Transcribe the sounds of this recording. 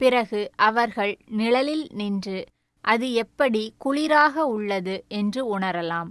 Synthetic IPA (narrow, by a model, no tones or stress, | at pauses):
pɪɾɐɣɯʔʔɐʋɐɾɣɐɭnɪɭɐlɪlnɪndrɯ | ʔɐðɯɛpːɐɽikʊɭɪɾaːɣɐʊɭːɐðɯɛndrɯʊɳɐɾɐlaːm